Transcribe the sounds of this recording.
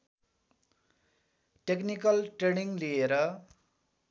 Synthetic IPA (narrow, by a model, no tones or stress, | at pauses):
ʈeknikʌlʈreɽ̃iŋlieɾʌ